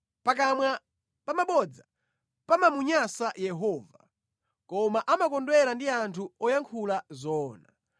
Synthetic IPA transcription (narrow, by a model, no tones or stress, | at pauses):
pak̬amwa | pamaɓɔd͡za | pamamuɲasajɛɦɔːva | kɔmaʔamakɔndwɛlandiantʰuɔjaŋkʰulazɔːna